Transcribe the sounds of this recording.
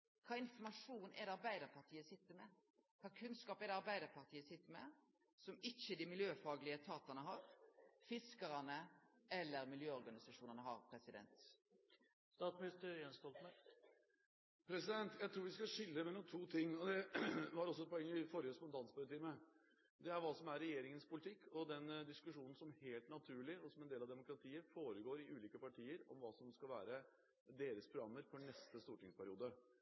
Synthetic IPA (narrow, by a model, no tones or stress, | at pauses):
kʰɑːɪnfɔmɑʂuːnɛ̰d̪ɛɑɾbæɪd̪əɾpʰɑʁt̪ʰiːəsɪt̪ːəɾmɛ | kʰɑːkʰʉnskɑːpɛd̪ɛɑɾbæɪd̪əɾpʰɑʁt̪ʰiːəsɪt̪ːəɾmɛ̰ | sɔmɪçəd̪ɪmɪljøːfɑːɡlɪət̪ʰɑːt̪ɑnəɦɑɾfɪskəɾənəɛlːəɾmɪljøːɔɾɡɑnɪsɑʂuːnənəɦɑ̰ɾpʰɾɛsɪd̪ɛ̰nt̪ | st̪ɑːt̪smɪnɪst̪əenst̪ɔlt̪mɛ | pʰɾɛsɪd̪ɛnt̪jæɪt̪ʰɾuːɾʋɪskɑʂɪlːəmɛnʊːt̪ʰuːt̪ʰɪŋːɔd̪ɛʋɑɾɔs̬ːɔɛt̪̚pʰɔɛŋːəɪfɔɾjəspɔnt̪ʰɑnspɑɾt̪iːmə | d̪ɛæɾʋɑːsɔmæɾːɛjeːɾɪŋənspʰʊlɪt̪ʰɪkːɔd̪ɛnd̪ɪskʉʂuːnn̩sɔmheːlt̪nɑt̪ʰʉːɭɪɔsɔmɛnd̪eːlɑʋd̪ɛmʊkɾɑt̪ʰiːəɾfoːɾəɡoːɾɪʔʉːliːkəpɑʈʰiːəɾɔ̰mʋɑːsɔmskɑlʋæːɾə | d̪eːɾəspʰɾʊɡɾɑmːəɾfɔɳɛst̪əst̪uːʈɪŋspʰæɾɪuːd̪ə